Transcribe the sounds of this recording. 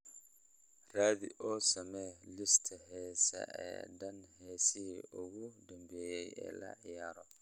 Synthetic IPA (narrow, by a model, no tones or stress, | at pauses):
raːðiʔɔsɐmɛlɪst̪ʰɐhɛːsɐ̰ʔɛ̰dɐnhɛsiʊɣudɐmbɛːjɛjɛ̰lɐ̰ʕɪjaːɾɔ